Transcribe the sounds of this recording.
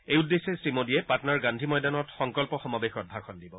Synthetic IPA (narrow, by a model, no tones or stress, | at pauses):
ejudːesɛsimodijɛpatɔnaɹɡandʱimɔjdanɔtxɔŋkɔlpɔxɔmabexɔt̚bʱaxʰɔndibɔ